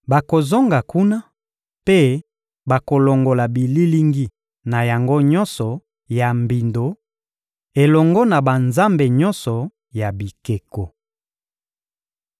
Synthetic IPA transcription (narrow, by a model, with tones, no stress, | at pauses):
ba˨ko˨zo˦ŋɡa˨ku˦na˦ | pe˦ | ba˨ko˨lo˨ŋɡo˨la˨bi˨li˦li˦ŋɡi˦ | na˨ja˨ŋɡo˦ɲɔ˦nsɔ˨ | ja˨mbi˨ndo˨ | e˨lɔ˨ŋɡɔ˦na˨ba˨nza˦mbe˨ɲɔ˦nsɔ˨ | ja˨bi˨ke˨ko˨